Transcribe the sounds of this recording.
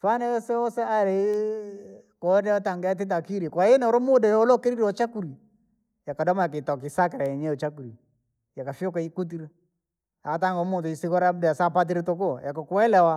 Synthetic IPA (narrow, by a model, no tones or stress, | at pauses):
twanɛɔsɛɔsɛaɾe | kɔdataŋɡɛat̬it̬akiɾikwaenɛɔɾomodɛjɔlɔkeɾiɾɔt͡ʃakuɾi | jakadɔmaak̬etɔk̬isakɛɾaɛɲɛɔt͡ʃakuɾi | jakafiɔkaikut̬iɾ | ataŋɡɔmotoisikɔɾadɛjasapat̬iɾetokɔjakɔkwɛlɛwa